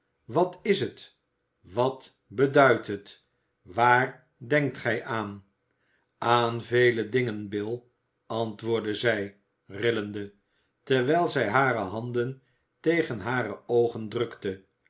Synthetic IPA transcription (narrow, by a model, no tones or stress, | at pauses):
ʋɑtɪsət | ʋɑt | bədœɥtɦət | ʋaːr | dɛŋk̚tχɛjʔaːn | aːnvejlədɪŋənbɪlˠ | ɑntʋʊːɹdəzɛj | rɪləndə | tɛɹʋɛjlˠzɛjɦaːɾəɦɑndən | tejχənɦaːrəowχəndrɵktə